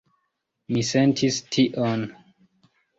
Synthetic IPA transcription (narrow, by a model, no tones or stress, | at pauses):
misɛ̃ntʰistʰiʔɔn